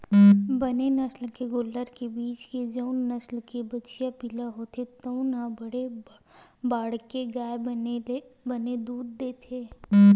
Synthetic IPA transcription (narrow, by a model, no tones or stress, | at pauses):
bɐnenɐslkeɡoːlːəɾkebiːt͡ʃked͡ʒəʊnːɐslkebɐt͡ʃijapɪlaɦoːt̪ʰet̪ɐũnabɐɽe | baːɽkeɡaːe | bɐned̪uːd̪̚ːeːt̪ʰeː